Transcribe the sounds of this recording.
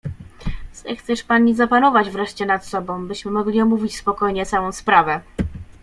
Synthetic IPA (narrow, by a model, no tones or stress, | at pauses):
zɛxt̪sɛʂpaɲizapanɔvad͡ʑvɾɛʂt͡ɕɛnat̪sɔbɔ̃w̃bɘɕmɘmɔɡlʲiɔmuvʲit͡ɕspɔkɔjɲɛt̪sawɔ̃w̃spɾavɛ